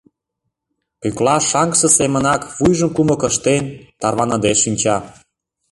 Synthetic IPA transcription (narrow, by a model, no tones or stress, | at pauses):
pyklɑʃɑŋksə̆semə̆nɑkβujʒə̆mkumɤ̆kə̆ʃt̪enʲt̪ɑrβɑnɤ̆d̪eʃinʲt͡ɕɑ